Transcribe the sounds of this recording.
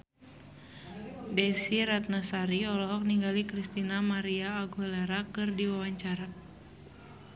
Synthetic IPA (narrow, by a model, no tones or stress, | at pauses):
dɛsiɾat̪̚nasaɾiɔlɔɦɔk̚niŋɡalikɾist̪inamaɾiaːɡuleɾakɨrdiwawaɲt͡ʃaɾa